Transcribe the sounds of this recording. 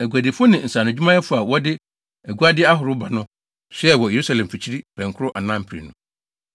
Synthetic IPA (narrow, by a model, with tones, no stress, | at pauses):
æ˨ɡʷu˨a˨dɪ˨fʊ˦nɪ̃˨n̩˨sa˨nʊ̃˨d͡ʑᶣu˦mã˦jɛ˦fʊ˦a˨wɔ˦dɪ˦ | æ˨ɡu˦a˦dɪ˦a˦ɦʊ˨ɾʊ˦ba˨nʊ̃˦ | ɕɛ˦ɛ˨wɔ˨je˨ɾu˦sa˨lɛ̃˨m˨fi˨t͡ɕʰi˦ɾi˦pʰɛ̃˨ŋkʰʊ˦ɾʊ˦ʔa˨nã˦m̩˦pʰɾḭ˨nʊ̰̃˨